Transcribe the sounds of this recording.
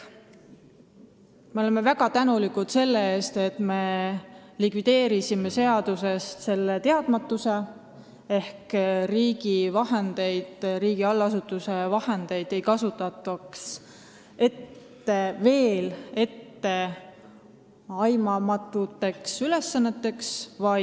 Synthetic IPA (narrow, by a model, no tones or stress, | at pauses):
me̞o̞le̞me̞væɡ̥ɑt̪ænulikud̪̥se̞lːe̞eːst̪e̞t̪me̞ | likvid̪̥e̞ːɾisime̞se̞ɑd̪̥use̞st̪se̞lːet̪e̞ɑd̪̥mɑt̪ːuse̞ | e̞hkriːɡivɑɦend̪̥e̞jd̪̥ɾiːɡiɑlːɑsut̪ːˑuse̞vɑhe̞nd̪̥e̞jd̪̥e̞jkɑsut̪ːˑɑt̪ːˑɑks | e̞t̪ː | eve̞ːle̞t̪ːe̞ | ɑjmɑmɑt̪ːˑut̪ːˑe̞ksyle̞sːɑnːet̪ːˑe̞ksvɑ